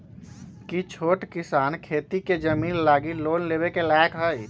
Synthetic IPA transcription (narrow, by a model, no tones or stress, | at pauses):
kit͡ʃʰoːʈkɪsaːnkʰeːt̪iked͡ʒəmiːnlaːɡiloːnleːbekelɛːkɦəi